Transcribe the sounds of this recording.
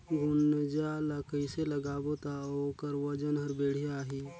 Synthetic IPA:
ɡʊnd͡ʒalakəiseləɡaːbot̪aoːkəɾwəd͡ʒənɦəɾbeːɽ̤ijaːɦiː

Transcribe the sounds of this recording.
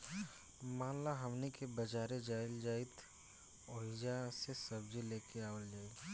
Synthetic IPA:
mãːlaɦɐmnikebɐd͡ʒaːɾed͡ʒaːɪld͡ʒaːɪt̪ | oːɪd͡ʒasesɐbd͡ʒeleːkeaːwəld͡ʒaːi

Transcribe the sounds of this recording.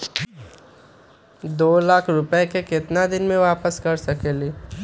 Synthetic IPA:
d̪oːlaːkʰɾʊpəekekɪt̪nad̪ɪnmẽʋaːpəskɐɾsɐkeːliː

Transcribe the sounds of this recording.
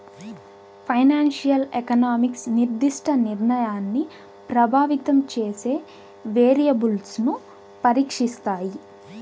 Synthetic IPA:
pʰɐjnaːnʂijɐlekɐnaːmiksniɾd̪iʂʈʰɐniɾɳɐjaːnːi | pɾɐbʱaːʋit̪ɐmt͡ʃeːse̞ː | ʋeːɾijɐbulsnu | pɐɾiːkʂist̪aːji

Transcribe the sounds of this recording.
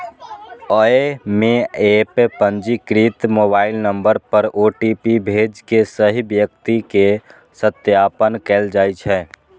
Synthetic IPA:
ɔemẽeːppə̃nd͡ʒikɾit̪moːbaːɪlnə̃mbəɾpəɾoːʈipibʱeːd͡ʒkesəɦibjək̚t̪ike | sət̪jaːpənkeːld͡ʒaːit͡ʃʰɛː

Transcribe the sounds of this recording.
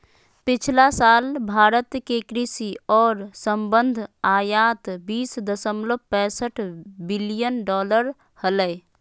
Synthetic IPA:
pɪt͡ʃʰlasaːlbʱaːɾət̪kekɾisiɔːɾsəmbənd̪ʱaːjaːt̪biːsd̪əsəmləpɛ̃ːsəʈʰbilijənɖɔːləɾ | hələ

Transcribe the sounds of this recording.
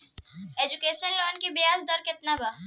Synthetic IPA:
eːd͡ʒʊkeːʃənloːnkibɪjaːzd̪ɔɾkɪt̪nabaː

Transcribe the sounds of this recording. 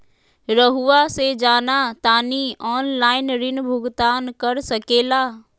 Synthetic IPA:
ɾəɦuʋased͡ʒaːnat̪aːniɔːnlaːɪnɾɪnbʱʊɡt̪aːnkɐɾsɐkeːlaː

